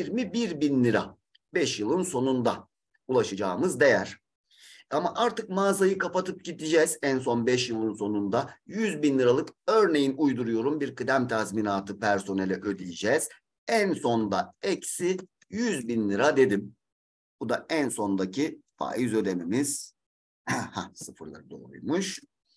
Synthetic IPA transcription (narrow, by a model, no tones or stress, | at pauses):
iɾmibiɾbinlʲiɾa̰ | bɛʃjɯlˠɯnso̞nund̪a | ulˠaʃɯd͡ʒaːɯmɯzd̪e̞jæɾ̥ | amaʔaɾt̪ɯkmaːzajɯkʰapat̪ʰɯp̚ɟid̪id͡ʒɛːz̥æns̬o̞nbɛʃjɯlˠɯnso̞nund̪ajyzbinlʲɯɾalˠɯkø̞ɾne̞jinujd̪uɾujo̞ɾumbiɾkɯd̪æmt̪ʰazminaːt̪ʰɯpʰæɾso̞nɛlʲɛʔød̪ijid͡ʒɛːz̥ | ænso̞nd̪aɛcsi | jyzbinlʲˠɯɾad̪e̞d̪im | bud̪aænso̞nd̪acʰifa̰ːizø̞d̪e̞mimiz̥ | ha̰sɯfɯɾlˠa̰ɾɯd̪o̞̰jmuʃ